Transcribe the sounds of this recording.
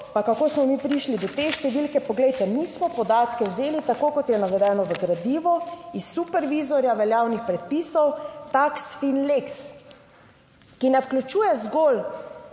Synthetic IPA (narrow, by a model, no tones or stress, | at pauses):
pakakoːsmɔmipɾiʃlid̪ɔt̪eʃt̪ɛʋilkɛpɔɡlɛjt̪ɛmismɔpɔd̪aːt̪kɛwzeːlit̪akoːkɔt̪jɛnaʋɛd̪ɛːnɔʋəɡɾad̪iːʋɔisːupɛɾʋizɔɾjaʋɛljaːwnixpɾɛt̪̚piːsɔwt̪aksfinleks | kinɛfklʲut͡ʃuːjɛzɡol